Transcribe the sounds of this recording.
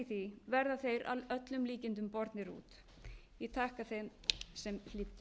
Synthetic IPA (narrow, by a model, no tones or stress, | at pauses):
θivɛɾðaθejɾa̰lœt̪lʏmliːcɪnt̪̬ʏmpɔɾt̪nɪɾṵːt̪ | jɛt̪ʰaːhkaθejmsɛml̥ɪt̪ː